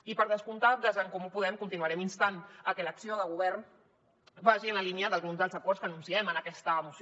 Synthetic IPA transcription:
ipəɾð̞əskunt̪ad̪əzəŋkɔmupuðɛmkunt̪inuəɾɛminst̪anəkɛləksioðəɣuβɛrn | baʒiənləliniəðəlɣunzðəlˠzəkɔrskənunsiɛmənəkɛst̪əːmus

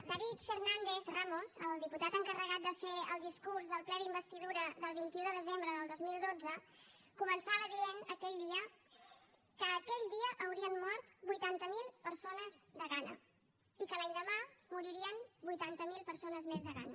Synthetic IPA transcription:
d̪əβit̪fernand̪eθramozəlˠd̪iput̪at̪əŋkərəɣat̪̚d̪əfeəlˠd̪iskuɾzðəlˠplɛðimbəst̪iðuɾəðəlˠβint̪iuðəðəzembɾəðəlˠd̪ozmilˠd̪od͡zəkumənsaβəðiənəkɛʎd̪iə | kəːkɛʎd̪iəʔəwɾiənːɔɾt̪bujt̪ant̪əmilˠpəɾsonəzd̪əɣanə̰ | ikəlaɲd̪əmamuɾiɾiənbujt̪ant̪əmilˠpəɾsonəzmezðəɣanə

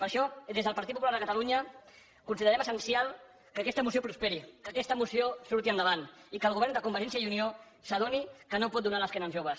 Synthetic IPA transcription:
pəɾʃɔd̪ezðəlˠpɐɾt̪it̪pupulaɾðəkət̪əluɲə | kunsiðəɾɛməsənsialˠ | kəkɛst̪əmusiopɾuspɛɾikəkɛst̪əmusiosuɾt̪iənd̪əβ̞anikəlˠɣuβ̞ɛɾnd̪əkumbəɾʒɛnsiaəiunio | səðonikənopɔt̪̚d̪unaləskɛnənzʒoβəs

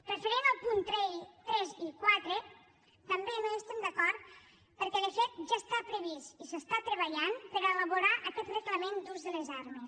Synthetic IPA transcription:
rəfəɾenalˠpunt̪ɾeʎt̪ɾɛzikwat̪ɾe | t̪əmbenoest̪ɛmd̪əkɔɾt̪ | pəɾkɛðəfet̪̚ʒast̪apɾəβ̞ist̪isəst̪at̪ɾəβəʎanpəɾəeləβoɾaʔəkɛt̪rəkləmend̪uzðələzaɾmes

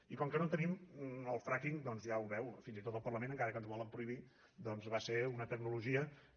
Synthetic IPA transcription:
ikɔŋkənot̪əniməlˠfɾakiŋd̪ɔnzjauβɛwfinzit̪ot̪əlˠpərləmẽnəŋkaɾəkənzβɔlˠəmpɾuiβi | d̪ɔnzβaseɾunət̪əknuluʒiə

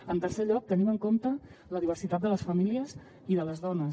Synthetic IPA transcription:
ənt̪ərseʎɔk̚t̪əniməŋkomt̪ələðiβərsit̪at̪d̪ələsfəmiliəz | iðələzðɔnə

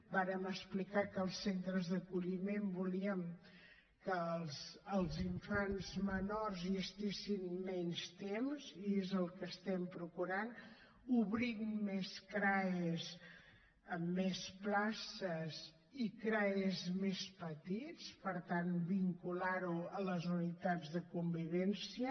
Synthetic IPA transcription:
baɾəməsplikakəːlˠsːent̪ɾəzðəkuʎimembuliəm | kəlzːlˠziɱfanzmənorzəst̪esinmɛnst̪emziezəlˠkəst̪ɛmpɾukuɾan | uβɾimmɛskɾaez | əmːɛsplasəz | ikɾaezmespət̪it͡spəɾt̪anbiŋkulaɾuələzunit̪ad͡zðəkumbiβɛnsiə

